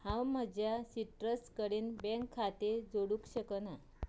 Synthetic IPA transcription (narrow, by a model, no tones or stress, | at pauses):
hãwm̤əd͡ʑjasiʈɾəskəɽiːnbɛ̃ŋkʰːat̪ed͡zoɽuːkɕəkəna